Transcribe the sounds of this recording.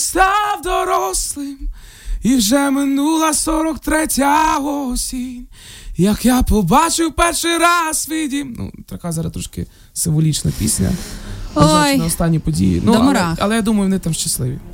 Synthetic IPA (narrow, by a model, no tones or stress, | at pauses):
st̪ɑwd̪ɔɾɔslˠɪm | iwʒɛmɪnulˠɐsɔɾɔkt̪ɾɛtʲaɦɔsʲinʲ | jɐkjapɔbɑt͡ʃɪwpɛrʃɪjɾɑsʋʲidʲinṵt̪ɾɐkazɑɾɐst̪ɾɔʃkɪ̰ | sɪmʋɔlʲit͡ʃnɐ̰pʲisʲnʲɐ̰ | ɔjnɐɔst̪ɑnʲːipɔdʲḭjḭnuɾaɐ̰lˠɛjad̪umɐjʊʋnɪt̪amʃt͡ʃɐslˠɪʋʲḭ